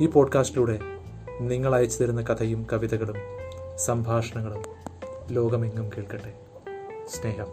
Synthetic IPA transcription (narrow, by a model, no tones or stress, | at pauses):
iːpo̞ːɖkaːsʈiluːɽe̞ | niŋːɐɭaːjɐt͡ɕːɐt̪ɐɾunːɐkɐt̪ʰɐjumkɐʋiðɐɣɐɭumsɐmbʱaːʂɐɳɐŋːɐɭumlo̞ːɡɐmeiŋːumkeːɭkɐɳɖːe | sne̞ːɦɐm